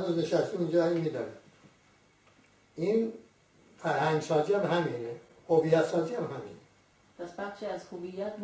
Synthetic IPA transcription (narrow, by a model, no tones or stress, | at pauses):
nuzneʃæst̪imind͡ʒɒːimiːd̪ɒːni | in | fæɾhæŋɡsɒːziæmhæmiːne | hovijːæt̪sɒːziːæmhæmḭːne | pæsbæχʃiæzhovijːæt̪̚ʰn